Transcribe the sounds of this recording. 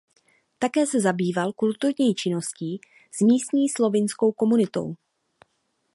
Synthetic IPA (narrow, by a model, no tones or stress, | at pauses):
t̪akɛːsɛzabiːvalkult̪uɾɲiːt͡ʃɪno̞sciː | smiːst̪ɲiːslo̞vɪnsko̞wko̞munɪt̪o̞̰w